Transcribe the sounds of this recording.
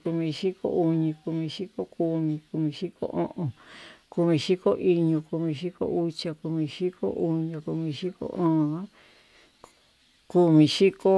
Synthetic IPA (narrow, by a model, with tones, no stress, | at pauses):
ku˧mĩ˧ʃi˦ko̰˦u˧ɲĩ˧ku˧mĩ˧ʃi˦ko˦ku˧mĩ˧ku˧mĩ˧ʃi˦ko̰˦ʔõ˦ʔõ˨ku˧mĩ˧ʃi˦ko˦ʔi˧ɲũ˧ku˧mĩ˧ʃi˦ko̰˦u˦t͡ʃa˧ku˧mĩ˧ʃi˦ko̰˦ʔu˧ɲã˧ku˧mĩ˧ʃi˦ko̰˦ʔõ˦˧nã˦ | ku˧mĩ˧ʃi˦ko˦